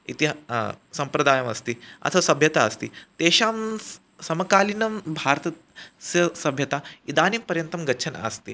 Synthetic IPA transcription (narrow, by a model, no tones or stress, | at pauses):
ḭt̪isɐmpɾɐd̪aːjɐmɐst̪iɐ̰t̪ʰɐʋɐsɐbʱjɐt̪aɐst̪ḭt̪eːɕaːm | sɐmɐkaːlinɐmbʱaːɾt̪ɐ | sɐsɐbʱjɐt̪aid̪aːnimpɐɾjɐnt̪ɐmɡɐtːʃʰɐn̰ɐ̰st̪iː